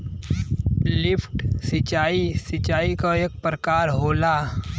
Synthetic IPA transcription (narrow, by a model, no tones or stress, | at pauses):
lɪfʰʈsɪt͡ʃaːisɪt͡ʃaːikoeːk̚pɾəkaːɾɦoːlaː